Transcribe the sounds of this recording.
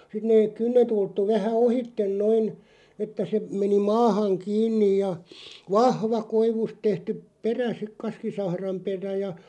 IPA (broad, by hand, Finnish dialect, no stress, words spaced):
sit neːk̆ kynːet ultːu ʋæhæ ohitːen noin etːæ se meni mɑːhɑŋ kiːnːij jɑ ʋɑhʋɑ koiʋust tehtyp peræ sik kɑskisɑhrɑm peræ jɑ